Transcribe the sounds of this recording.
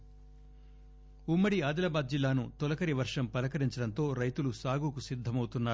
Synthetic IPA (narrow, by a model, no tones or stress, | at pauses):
umːɐɽiaːd̪ɐlɐbaːd̪̚d͡ʒilːaːnut̪ɔlɐkɐɾiʋɐɾʂɐmpɐlɐkɐɾiɲt͡ʃɐɽɐnt̪o̞ːɾɐjt̪ulusaːɡuːkusid̪ʱːɐmɐwt̪unːaːu